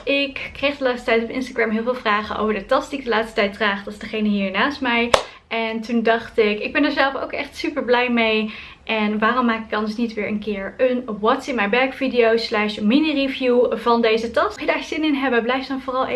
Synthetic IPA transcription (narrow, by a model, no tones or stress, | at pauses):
ʔɪkːrejχdəlaːtstə̥tɛjtɔpɪ̰nstaɡɹɛmɦɪːlˠvɪːlˠvraːχəno̰wvəɹdətɑstd̥iɪɡ̚dəlaːtstə̥tɛjt̚draːχdɑtzdəχejnəɦiːɹnaːstmɛj | ʔɛntundɑχtɪkɪɡ̚bɛnəɹzɛlˠfo̰wkɛχtsypəɹblɛjmej | ʔɛnʋaːrɔmːaːkɪ̥kɑndəɹsnitʋɪːɹʔənkɪːɹənʋɑtsɪnmɛjbɛkfidijowslɛʃminirivjuvɑndejzətɑsχjədaːz̥ɪnɪnɦɛbəblɛjfdɑnvoːrɑlˠ